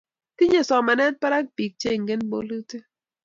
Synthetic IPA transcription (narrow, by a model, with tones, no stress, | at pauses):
ti˦ɲe˨sɔ˨ma˨nɛ˦t̚pa˦ɾa˦k̚pi˨k̚t͡ʃe˦˨ŋɡe˦nbo̰˦lu˦ti˦